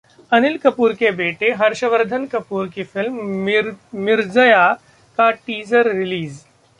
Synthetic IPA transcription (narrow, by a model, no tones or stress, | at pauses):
ənilkəpuːɾkebeːʈeɦɐɾʃəʋəɾd̪ʱənkɐpuːɾkifɪlmː | ɪɾd͡zəja | kaʈiːzəɾːiliːz